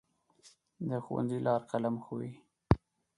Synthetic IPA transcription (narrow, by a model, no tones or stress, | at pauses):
d̪əxuwa̰nzilʔɑɾqalamxowi